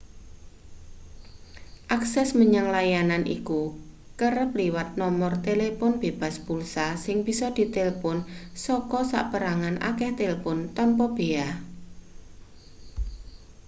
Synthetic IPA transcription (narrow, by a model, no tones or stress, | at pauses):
ʔaksɛsməɲaŋlajananʔḭku | kəɾəp̚liwat̪̚nɔmɔrt̪elepɔnb̥eb̥a̤sbulsasɪŋb̥isɔd̪̥i̤t̪elpʊnsɔkɔsa̰ʔpəɾaŋanʔa̰kɛht̪elpʊnt̪ɔmpɔb̥eah